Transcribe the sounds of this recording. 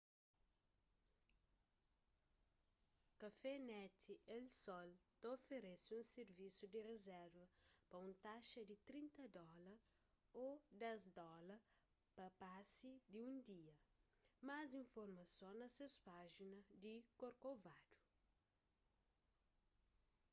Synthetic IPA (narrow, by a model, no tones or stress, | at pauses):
kɐfɛnɛt̪ʰiʔelsɔlt̪ɐofeɾesũnseɾvisud̪irezɛɾvɐpɐũnt̪aʃɐd̪it̪ɾĩnt̪ɐd̪ɔlɐ | od̪ɛzd̪ɔlɐ | pɐpasid̪iũnd̪iɐmazĩɱfoɾmɐsõnɐsespaʒinɐd̪ikoɾkovad̪̥u̥